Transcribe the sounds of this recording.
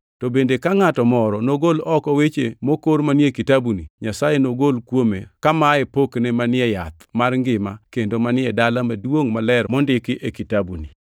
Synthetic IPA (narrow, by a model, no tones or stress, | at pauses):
tɔbendekaŋatɔmɔɾɔnoɡolɔkɔwet͡ʃemokoɾmanjekitabuniɲasajenoɡolkwomḛkamaepoknɛmanɪɛja̰t̪marŋɡɪmakendomanɪɛdalamadwoŋmalɛɾmɔndɪkɪʔekitabuni